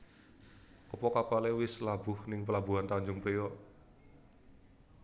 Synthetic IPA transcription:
ɔpɔkapalewɪslab̥ʊhnɪŋpəlabuɦant̪aɲd͡ʒʊŋpɾijɔ

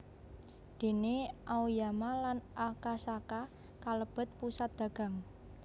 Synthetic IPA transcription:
d̪̥e̤neʔaujamalanʔakasaka | kaləb̥ə̤t̪̚pusat̪̚d̪̥ä̤ɡ̥a̤ŋ

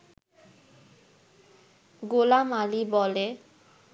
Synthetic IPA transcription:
ɡolamalibɔle

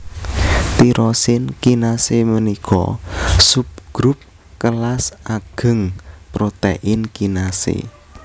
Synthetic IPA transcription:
t̪iɾɔsɪnkinasemənikʰɔ̰sup̚ɡ̥ɾup̚ | kəlasaɡ̥ə̤ŋpɾot̪eʔɪnkinasḛ

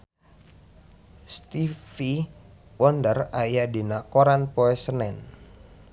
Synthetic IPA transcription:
st̪ifi | wɔndərajadinakoɾanpɔɛsənɛn

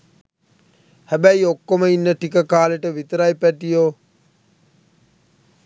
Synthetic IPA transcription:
hæbæiokːoməinːəʈikəkaːleʈəʋit̪ɾaipæʈijoː

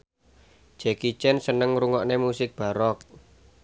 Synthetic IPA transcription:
d͡ʒ̥ɛkit͡ʃɛnsənəŋɾuŋɔʔnemusɪk̚b̥a̤ɾɔk

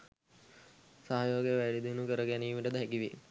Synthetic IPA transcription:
saɦajoːɡjʋæɽid̪inukəɾəɡæniːmiʈəd̪ɦækiʋe

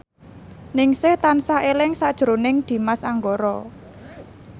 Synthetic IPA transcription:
nɪŋsɪht̪ansaelɪŋsad̥ʒ̥əɾonɪŋd̪̥i̤masaŋɡoɾɔ

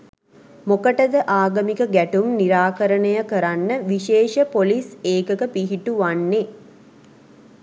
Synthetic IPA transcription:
mokəʈəd̪əʔaːɡəmikəɡæʈumniɾaːkəɾənəjəkəɾanːəʋiʃeːʃəpoliseːkəkəpiɦiʈuʋanːe

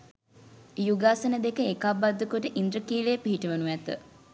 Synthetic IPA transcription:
juɡaːsənəd̪ekəekabad̪ːəkoʈəʔind̪ɾəkiːlejpiɦiʈəʋənuʋæt̪ə̰

